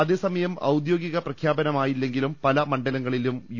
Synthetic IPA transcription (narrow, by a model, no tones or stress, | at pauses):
ɐðe̞ːsɐmɐjɐmɐ̰wd̪jo̞ːɡiɣɐprɐkʰjaːbɐnɐmaːjilːe̞ŋɡilumpɐlɐmɐɳɖɐlɐŋːɐɭilumj